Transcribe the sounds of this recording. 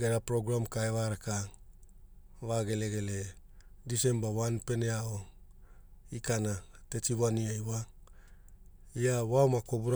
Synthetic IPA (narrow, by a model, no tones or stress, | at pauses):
ɡeɾapɾoɡɾamkaeβaɾaka | βaɡe̞le̞ɡe̞le | dise̞mbawanpe̞neao | ikanate̞tiβaniajwa | iawaomako̞buɾa